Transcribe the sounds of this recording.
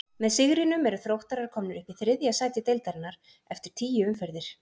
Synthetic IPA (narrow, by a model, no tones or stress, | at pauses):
mɛðsɪɣɾɪnʏmɛɾʏθɾowht̪aɾaɾ̥kʰɔːmnɪɾʏhpɪθɾɪðjasaːjt̪ɪt̪ejlt̪aɾɪnːaɾ̥ | ɛft̪ɪɾ̥t̪ʰiːjɪʏmfɛɾðɪɾ̥